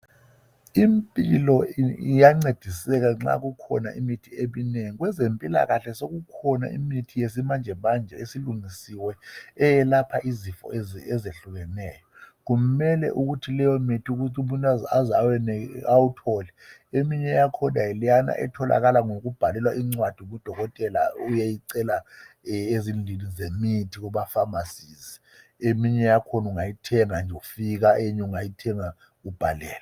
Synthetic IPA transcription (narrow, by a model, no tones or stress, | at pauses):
impʼilɔijaŋ͡ǀed̥ʱisɛɣaŋ͡ǁa̰ɣukʰɔ̰na̰ʔimitʰiemineŋiɣwɛzempʼila̰ɣaɬɛsoɣukʰɔna̰ḭmitʰijesimand͡ʒʱɛβand͡ʒʱɛ̰esiluŋisiwɛːjɛlapʰaʔizifɔ̰ɛzeɬuɣɛnɛ̰ːjɔɣumɛlɛ̰ʔuɣutʰilɛjɔmitʰiuɣ̬utʰumuntʼazazawɛɛawutʰɔlɛ | emiɲɛjakʰɔnajɛlijana̰ʔɛ̰tʰɔla̰ɣalaŋokub̥ʱalɛlwaʔiŋ͡ǀwad̥ʱumud̥ʱɔɣɔtʼɛla̰ujajiǀɛla | ezind͡ɮʱinizemitʰiɣuɓafamasizi | emiɲɛjakʰɔnuŋajitʰɛŋand͡ʒʱoufiɣ̬aʔeɲɛuŋajitʰɛŋa | ub̥ʱalɛ̰ːla